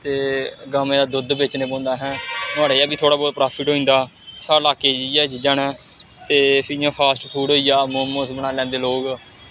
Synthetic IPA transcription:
t̪eːɡaːmẽːd̪aːd̪ʊd̪bɪt͡ʃneːbõːnd̪aːɦɛːt̪ʊaːɽaːjɛːbiːt̪ʰoːɽaːboːpɾaːpʰɪʈɦoːĩːnd̪aː | saːlaːkeːd͡ʒiːɛːd͡ʒd͡ʒaːɳɛː | t̪eːpʰɪjãːpʰaːsʈpʰuːɽoːijaːmoːmõːsbənaːlɛ̃ːnd̪eːloːɡ

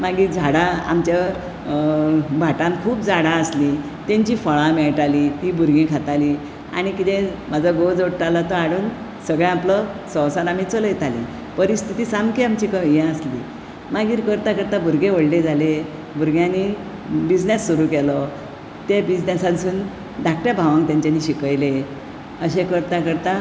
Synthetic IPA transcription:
maɡiːd͡zʱaɽaa̰mt͡ɕja | bʱaʈãnkʰuːpd͡zʱaɽaəsli | t̪eɲt͡ɕiːfəɭãmeɭʈalit̪iːbʱuɾɡẽkʰat̪ali | a̰ɽ̃ikit̪emad͡zʱaɡod͡zoɽʈalat̪ɔaɽuːn | səɡɭjãapləsə̃wsanam̤it͡səljet̪alḭ̃ | pəɾist̪ʰit̪iːsamkiamt͡ɕiːkəjãəslḭː | maɡiːɾkəɾt̪akəɾt̪abʱuɾɡẽʋəɽled͡zʱale | bʱuɾɡjãni | bid͡znasːuɾuːkɛlɔ | t̪ebid͡znesãnsuːn | d̪ʱak̚ʈjabʱaʋãŋkt̪jaɲt͡ɕaniɕikəjle | əɕekəɾt̪akəɾt̪a

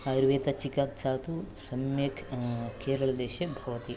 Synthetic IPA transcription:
aɾʋeːt̪ɐt͡ʃikaːksaːt̪usɐmjɐkʰkeːɾɐɭɐd̪eːʃebʱɐʋɐt̪i

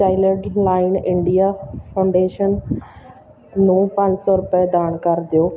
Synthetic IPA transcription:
aːɪləɖlaːɪnɪ̃ɳɖijafʰãʊ̃ɳɖeːʃən | nũːpãɲd͡ʑsɔɾʊpəd̪aːɽ̃kaɾt̪ijoː

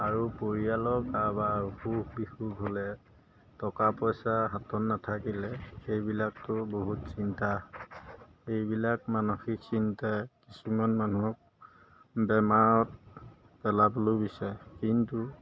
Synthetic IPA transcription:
aɹupoɹijalɔkabaxuhbixuɡɦolɛ | tɔkapɔjsaɦatɔnːatʰakilɛxejbilak̚tʊboɦutsinta | ejbilak̚manoxiksintakisumanmanuɔk̚ | bɛmaɹɔt̚ | pɛlabɔlojbisakintu

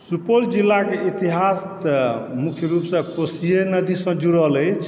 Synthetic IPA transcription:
supold͡ʒilːakeit̪iɦas | mukʰjəɾupsʌ̃kosijenəd̪isʌ̃d͡ʒuɾəɦləjt͡ʃʰ

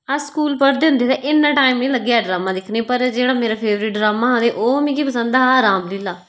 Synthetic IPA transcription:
askuːlpəɾd̪ɪʊ̃nd̪eːt̪eːʔɪnːãːʈaːiːmnĩːləɡːeːɛːɖɾaːmãːd̪ɪkʰneːpəɾd͡ʒeːɽaːmeːɾaːpʰeːʋɾɪːʈɖɾaːmaːɦːd̪eːʔoːmĩːkipəsə̃nd̪aːaːɾãːmlɪlaː

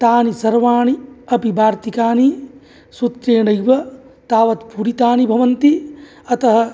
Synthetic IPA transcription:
t̪aːnisɐɾʋaːɳiɐpibʱaːɾt̪ikaːni | sut̪ɾeːɳɐjʋɐ | t̪aːʋɐt̪puɾit̪aːnibʱɐʋɐnt̪i | ɐt̪ɐɦɐ̆

